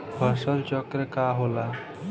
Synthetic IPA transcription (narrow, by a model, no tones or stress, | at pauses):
bʱʌsɔlt͡ʃɔkɾekaɦola